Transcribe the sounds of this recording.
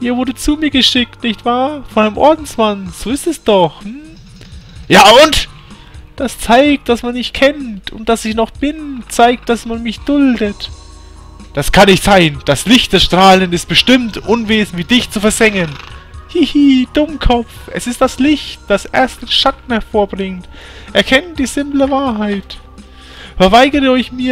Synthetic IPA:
ʔiːɐvʊɐdət͡suːmiːɐɡəʃɪk̚tnɪçtv̥aːɐfɔnanəmʔɔɐdn̩smanz̥oːɪstɛsd̥ɔχm̩ | jaːʔʊnt | d̥ast͡saɪk̚t̚d̥asmanmɪçtkʰɛntʊ̰nt̚d̥asɪçnɔχb̥ɪnt͡saɪk̚t̚d̥asmanmɪçd̥ʊldət | d̥askʰanːɪçtz̥aɪnd̥aslɪçt̚d̥ɛʃtʁ̥aːlənɪst̚b̥əʃtɪmtʔʊnveːzn̩viːdɪçt͡sufɛɐzɛŋənhihiːd̥ʊmkʰɔp͡fʔɛsɪst̚d̥aslɪçt̚d̥asʔɛɐstɪʃatn̩hɛɐfoːɐbʁɪŋt | ʔɛɐkʰɛntd̥iːzɪmpləvaːɐɦaɪt | fɛɐvaɪɡəʁəɔɪçmiːɐ

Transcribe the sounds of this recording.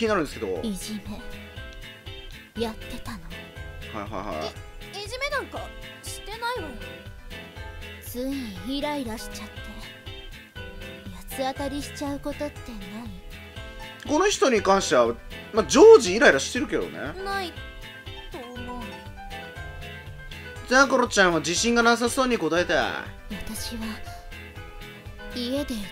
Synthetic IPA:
kʲiɲinaɾɯ̟nd̪esked̪o̞iʑime̞ | jat̪ːe̞t̪ano̞haiɦa̰jha̰eiʑime̞nãŋkaɕi̥t̪ːe̞naion | t͡sɨ̃iɾaiɾaɕi̥t͡ɕat̪ːe̞ | jat͡sɨat̪aɾʲiɕi̥t͡ɕaɯ̟ko̞t̪o̞t̪ːe̞nai | ko̞no̞çi̥t̪o̞ɲ̟ikãɰ̃ɕi̥t̪eβamad͡ʑoːʑiːɾaiɾaɕi̥t̪ːe̞ɾɯ̟ke̞d̪o̞̰nḛnai | t̪oːmo̞ | t͡seakoɾot͡ɕãɰ̃ad͡ʑiɕĩŋɡanas̬aso̞ːɲ̟iko̞t̪aet̪a̰ | βat̪aɕiβa | ie̞d̪e̞

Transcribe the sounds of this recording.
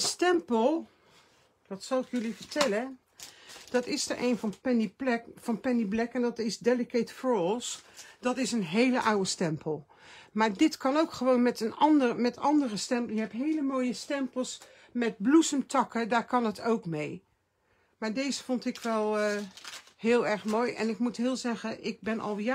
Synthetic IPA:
stɛmpəlˠ | dɑtsɑlˠɪkjɵlivəɹtɛlə | d̥ɑtɪsdəʔejnvɑnpɛniplɛkfɑnpɛniblɛkɛndɑtɪsdɛləketfɔɹlˠsd̥ɑtɪsənɦejləʔawəstɛmpʰəlˠ | maːɹdɪtkɑnowkχəʋoːnmɛtənɑndərmɛtʰɑndərəstɛmplˠjəɦɛpɦejləmoːjəstɛmpəlˠs | mɛt̚blusəmtʰɑkədaːɹkɑnətʰowkmej | maːɹdejzəfontɪkʋɛlˠ | ɦɪːlˠɛɹχmoːjɛ̰nɪkmutɦɪːlˠzɛɣənʔɪɡ̚bɛnʔɑ̰lˠja

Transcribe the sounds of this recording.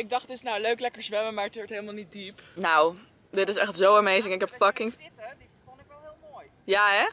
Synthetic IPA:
ɪɡ̚dɑχdɪsnawløɥklɛkəɹzʋɛməmaːɹətɔɹtɦejləmalˠnit̚dipnaw | dɪtɪsɛχtzowamejzɪŋɪkɦɛpfʌkɪŋ | fnɪɛlˠɦɪlˠmoj | jaːɛ

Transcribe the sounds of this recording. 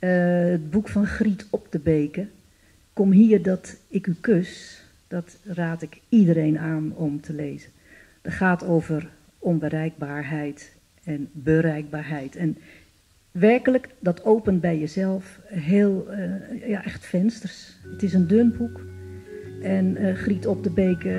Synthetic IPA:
əəd̚bukfɔnxritʰɔptəbejkə | kɔmɦiːərdɔtɪkykøs | d̥ɔt | raːtɪkidəɾeːnaːnɔmtʰəleːzə | d̥ɔtχaːtoːvər | ɔnbəɾɛjɡ̚baːɹɦɛjt | ɛnbəɾɛjɡ̚baːɹɦɛjtʰɛn | ʋɛrkələkdɔtowpəntbɛjjəzɛlˠfɦeːlˠjaʔɛxtfɛnstərsətɪsəndønbuk | ɛnχritɔp̚dəbejkə

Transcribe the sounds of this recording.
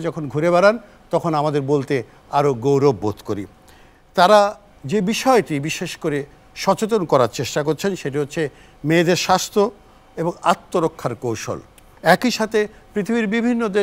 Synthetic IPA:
d͡ʑɔkʰonɡʱuɾebɛɾan | t̪ɔkʰonamad̪eɾbolt̪e | aɾoɡowɾobːot̪koɾḭ | t̪aɾa | d͡ʑebiʃɔeʈibiʃeʃkoɾe | ʃɔt͡ɕet̪̬onkɔɾaɾt͡ɕeʃʈakoɾt͡ɕʰenʃeʈiɦotːɕʰe | med̪eɾʃast̪ʰɾo | eboŋa̰t̪ːoɾokʰːaɾkowʃo̰l | ɛkiʃat̪ʰe | pɾit̪ʰibiɾbibʱinːod̪e

